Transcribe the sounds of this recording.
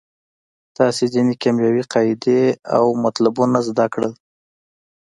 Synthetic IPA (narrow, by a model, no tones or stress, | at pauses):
t̪ɑsezinekamjɑwiqɑjd̪ea̰wmat̪labunazd̪akɽəl